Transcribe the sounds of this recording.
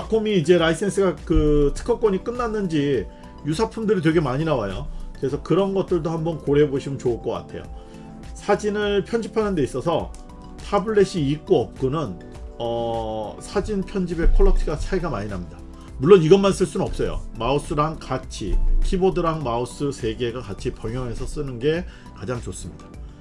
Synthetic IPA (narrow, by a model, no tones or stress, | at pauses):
akʰomiːd͡ʑe̞ɾais͈ʰensʰɯɡakɯtʰɯ̥kʰʌk͈wʌɲik͈ɯnːanːɯnd͡ʑi | jusʰapʰumdɯɾitwe̞ɡe̞maɲinawajo̰kɯɾe̞sʰʌkɯɾʌnɡʌt̚t͈ɯɭdohambʌnkoɾe̞boɕʰimɯnt͡ɕoɯɭk͈ʌk͈a̰tʰe̞jo̰ | sʰad͡ʑinɯɭpʰjʌnd͡ʑipʰanɯnde̞is͈ʌsʰʌ̰ | tʰabɯɭːe̞ɕ͈ʰiːk̚k͈oʌp̚k͈onɯn | ʌsʰad͡ʑinpʰjʌnd͡ʑibe̞kʰʌɭːʌtʰiɡasʰaiɡamaɲinamɲida | muɭːoniɡʌnmans͈ɯɭs͈unɯnʌp̚s͈ʌjo̰maos͈ɯɾaŋkat͡ɕʰḭkʰibodɯɾaŋmaos͈ɯsʰe̞ɡe̞ɡakat͡ɕʰipjʌŋjʌŋe̞sʰʌs͈ɯnɯnɡe̞ | kad͡ʑaŋt͡ɕos͈ɯmɲida